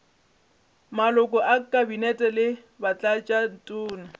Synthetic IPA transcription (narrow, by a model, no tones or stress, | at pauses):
malʊkʼɔʔakʼabinɛtʼɛlɪ | bat͡ɬʼat͡ʃʼan̩tʼʊːna